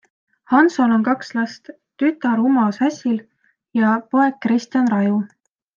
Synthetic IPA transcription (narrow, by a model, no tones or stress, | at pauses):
hɑnso̞no̞nkɑkslɑst̪ | t̪yt̪ːˑɑɾumɑsæsʲil | jɑpo̞e̞ɡ̥̚kːrist̪jɑnrɑju